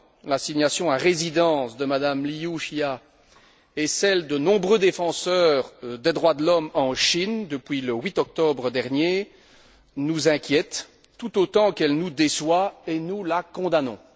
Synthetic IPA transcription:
lasiɲasjɔ̃aʁezid̪ɑ̃sd̪əmad̪amliuʃja | ɛsɛld̪ənɔ̃bʁød̪efɑ̃sœʁd̪ed̪ʁwad̪əlɔmɑ̃ʃind̪əpɥiləwit̪ɔk̚t̪ɔbʁəd̪ɛʁnje | nuzɛ̃kʲjɛt̪ː | ut̪ot̪ɑ̃kɛlnud̪eswaenulakɔ̃d̪anɔ̰̃

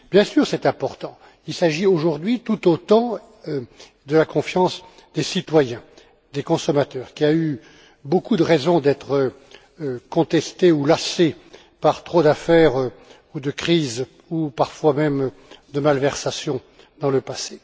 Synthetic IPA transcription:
bjɛ̃syʁsɛt̪ɛ̃pɔʁt̪ɑ̃ | ilsaʒioʒuʁd̪ɥit̪ut̪ot̪ɑ̃ | d̪əlakɔ̃fjɑ̃sd̪esit̪wajɛ̃ | d̪ekɔ̃sɔmat̪œːʁkʲiay | bokud̪əʁɛzɔ̃d̪ɛt̪χə | kɔ̃t̪ɛst̪eulase | paʁt̪χod̪afɛːʁ | ud̪əkχiz | upaʁfwamɛm | d̪əmalvɛʁsasjɔ̃ | d̪ɑ̃ləpase

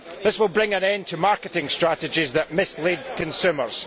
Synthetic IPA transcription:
ðɪswɪlˠbɹɪ̃ŋə̃nɛ̃n̚tʰəmaɹkɪʔɪ̃ŋstɹ̥aʔɪd͡ʒɪzðəʔmɪslˠed̪̚kʰə̃nsʉmə˞z̥

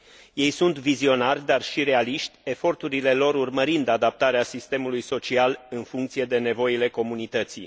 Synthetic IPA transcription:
je̞jsunt̪vizio̞narʲd̪arʃiɾe̞aliʃt̪ʲe̞fo̞rt̪uɾile̞lo̞ɾurməɾind̪ad̪ap̚t̪aɾeasist̪e̞mulujso̞t͡ʃialɨnfuŋkt̪sije̞d̪e̞ne̞vo̞jile̞ko̞munit̪ət̪si

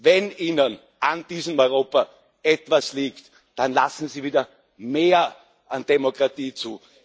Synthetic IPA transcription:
vɛniːnən | ʔand̥iːzəmɔʏʁoːpa | ʔɛtv̥asliːkt | d̥anla̰sn̩ziːviːdɐ | meːɐ | ʔand̥ɛmokʁatiːt͡suː

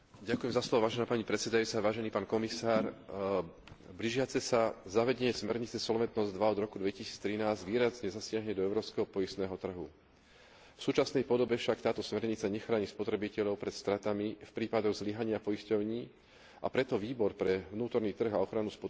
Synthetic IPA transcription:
ɟakujɛmzaslɔʋɔʋaːʒɛnaːpaɲipɾɛt̪sɛd̪ajut͡saʋaːʒɛniːpaːnkɔmisaːɾ | bliʒɪat͡sɛsazaʋɛɟɛɲɛsmɛɾɲit͡sɛsɔlʋɛt̪nɔzd̪ʋaɔd̪ɾɔkud̪ʋɛcisiːt͡st̪ɾinaːzɟʋiːɾazɲɛzasɪaɦɲɛd̪ɔɛʊɾɔːpskɛɦɔpɔjist̪nɛːɦɔt̪r̩ɦu | fsuːt͡ʃasnɛjpɔd̪ɔbɛfʃakt̪aːt̪ɔsmɛɾɲit͡saɲɛxɾaːɲispɔt̪ɾɛbicɛʎɔʊpɾɛt̪st̪ɾat̪amifpɾiːpad̪ɔɣzliɦaɲɪapɔjiscɔʊɲiː | apɾɛt̪ɔʋiːbɔɾpɾɛvnuːt̪ɔɾniːt̪r̩ɣaɔxɾanuspɔt̪

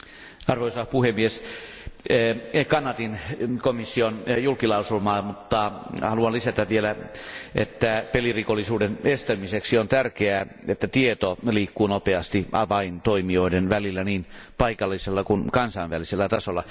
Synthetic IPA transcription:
ɑrʋoisɑpuhemːies | kɑnɑt̪inkomisːionjulkilɑusulmɑːmut̪ːɑhɑluɑnlisæt̪æʋielæḛt̪ːæpelirikolːˑisuːdenest̪æmiseksiont̪ærkeæet̪ːæt̪iet̪oliːkːuːnopeɑst̪iʔɑ̰ʋɑint̪oimioidenʋælilːæniːnpɑikɑlːiselːɑkunkɑnsɑinʋæliselːæt̪ɑsolːɑ

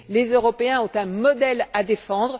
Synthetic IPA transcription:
lezøʁɔpeɛ̃ɔ̃t̪ɛ̃mɔd̪ɛlad̪efɑ̃d̪ʁ

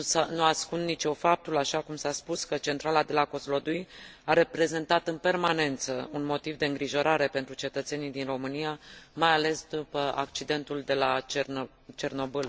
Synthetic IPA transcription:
anuaskunnit͡ʃo̞fap̚t̪ulaʃakumsaspuskət͡ʃe̞nt̪ɾalad̪e̞lako̞zlo̞d̪ujaɾe̞pɾe̞ze̞nt̪at̪ɨnpe̞rmane̞nt̪səunmo̞t̪ivd̪e̞ɨŋɡɾiʒo̞ɾaɾe̞pe̞nt̪ɾut͡ʃe̞t̪ət̪se̞nid̪inro̞mɨnijamajale̞sd̪upəa̰kt͡ʃid̪e̞nt̪uld̪e̞la | t͡ʃe̞rno̞bɨl

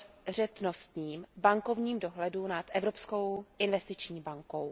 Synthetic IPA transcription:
r̝ɛt̪no̞st̪ɲiːmbaŋko̞vɲiːmdo̞ɦlɛdunat̪ʔɛvɾo̞psko̞wʔɪnvɛst̪ɪt͡ʃɲiːbaŋko̞w

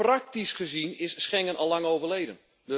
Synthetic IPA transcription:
rak̚tisχəzinɪsːχɛŋənʔɔlˠːaŋowvərlejdən | d

